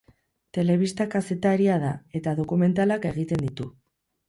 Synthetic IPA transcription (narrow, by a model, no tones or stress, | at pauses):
t̪e̞le̞β̞ist̪akase̞t̪aɾiaðae̞t̪að̞o̞kume̞nt̪alake̞ɣ̞it̪e̞nd̪it̪u